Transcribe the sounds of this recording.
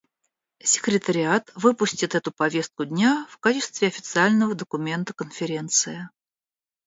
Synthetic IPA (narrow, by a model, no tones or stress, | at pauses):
sʲɪ̥kɾʲɪt̪əɾʲɪat̪vɨpʊsʲtʲɪt̪ɛt̪ʊpɐvʲe̞st̪̚kʊdʲnʲafkat͡ɕɪst̪vʲɪɐfʲɪ̥t̪sɨalʲnəvəd̪əkʊmʲe̞nt̪əkənfʲɪɾʲe̞nt̪sɨjɪ